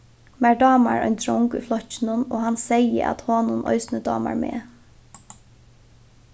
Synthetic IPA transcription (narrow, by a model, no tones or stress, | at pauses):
mæɹɖɑːmaɹœjɲnt̪ɾɔŋkujflɔht͡ʃːɪnʊnɔːɦansɛjəʔa̰t̪hɔːnʊnʔɔ̰ʏsnəd̪ɑːma̰ɹmeː